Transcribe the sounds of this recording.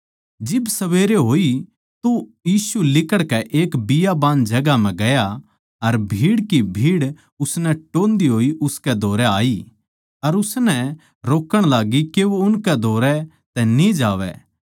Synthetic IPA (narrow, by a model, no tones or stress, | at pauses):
d͡ʒɪbsɐʋeːɾeɦoːi | t̪ojiːsulɪkəɽkɛʔeːkbɪjabãːnd͡ʒɐɡam̤ɛ̃ɡɐja | ɐɾbʱiːɽkibʱiːɽ | ʊsnɛʈõːnd̪iɦoːiʔʊskɛd̪ʱoːɾɛaːi | ɐɾʊsnɛ | ɾoːkəɽ̃laːɡikeʋoʊnkɛd̪ʱoːɾɛ | t̪ɛnĩd͡ʒaːʋɛ̰ː